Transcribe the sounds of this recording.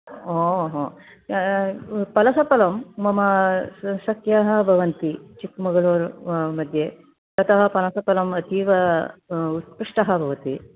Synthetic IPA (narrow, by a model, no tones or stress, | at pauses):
oːɦoː | pɐlɐsɐpɐlɐmːɐmɐ | sɐkjaːɦɐ̆bʱɐʋɐnt̪it͡ʃikmɐɡɐɭoːɾmɐd̪ʱjeː | t̪ɐt̪ɐɦɐ̆pɐlɐsɐpɐlɐmɐt̪iːʋɐ | ut̪̚puʂʈɐɦɐ̆bʱɐʋɐt̪i